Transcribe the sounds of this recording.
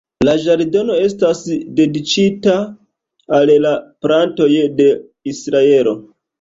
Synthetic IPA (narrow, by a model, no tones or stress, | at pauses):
laʒaɾdono̞e̞stasde̞dit͡ʃitaː | llapɾanto̞jde̞ | isɾae̞lo̞